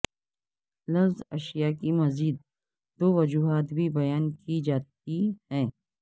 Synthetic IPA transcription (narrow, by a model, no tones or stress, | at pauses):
lɐzɐʃijakimɐziːd̪̚ | d̪oːʋɐd͡ʒuːɦaːt̪bʱibɐjaːnkid͡ʒaːt̪̚ihɛ̃ː